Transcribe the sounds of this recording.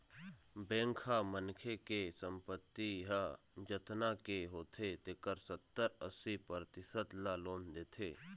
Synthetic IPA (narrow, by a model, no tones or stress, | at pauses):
bɛ̃ːŋkʰamənkʰekesəmpət̪ːiɦa | d͡ʒət̪nakeɦoːt̪ʰet̪ekəɾsət̪ːəɾəsipəɾt̪ɪsəd̪laːloːnd̪eːt̪ʰḛː